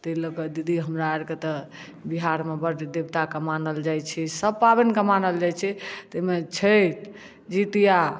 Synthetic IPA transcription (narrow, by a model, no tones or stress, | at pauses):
t̪ələkəd̪id̪iɦəmɾaɾket̪ɔ | biɦaɾmebəɾd̪ebt̪akəmanəld͡ʒajt͡ʃʰɛsəb̚pabenkəmanəld͡ʒajt͡ʃʰɛt̪əmet͡ʃʰəjt̪ | d͡ʒit̪ija